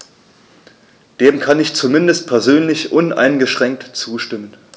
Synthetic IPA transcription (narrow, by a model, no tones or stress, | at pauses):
d̥eːmkʰanɪçt͡sumɪndəst̚pʰɛɐzøːnlɪçʔʊnʔa̰ɪnɡəʃʁ̥ɛŋk̚tt͡suːʃtɪmən